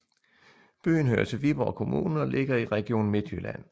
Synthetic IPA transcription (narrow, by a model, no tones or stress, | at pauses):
b̥y̰ːn̩ɦø̰ːɐt͡sʰe̝lʋib̥ɒ̰ʊkʰo̝mṵːnn̩ɒ̽lʔe̝ɡ̥ɐiʁɛɡ̥io̝̰ːn̩me̝d̥yɐlæn̰